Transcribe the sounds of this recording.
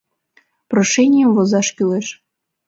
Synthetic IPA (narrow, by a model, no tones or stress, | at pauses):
proʃɛnʲɪjəmvozɑʃkʲyleʃ